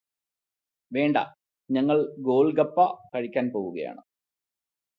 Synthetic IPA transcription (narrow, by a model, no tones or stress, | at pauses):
ʋe̞ːɳɖɐ̰ | ɲɐŋːɐɭɡo̞ːlɡɐpːɐkɐɻikʲːaːnpoːwuɣɐ̰ja̰ːɳɨ